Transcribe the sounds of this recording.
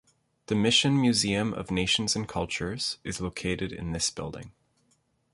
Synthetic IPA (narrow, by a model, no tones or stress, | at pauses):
ðɨmɪʃɨ̃nmjʉziɨ̃mʔʌ̰vneɪʃn̩zɨ̃n̩kʰʌlˠt͡ʃə˞z̥ɨzloʊkʰeɪɾɨɾɨ̰̃nðɪsb̥ɪ̰lˠdɪ̰̃ŋ